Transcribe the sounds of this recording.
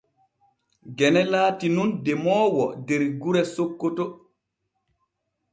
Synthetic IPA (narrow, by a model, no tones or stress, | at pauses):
ɡɛnɛlaːtinundɛmɔːwɔ̰dɛɾɡuɾɛsokːotɔ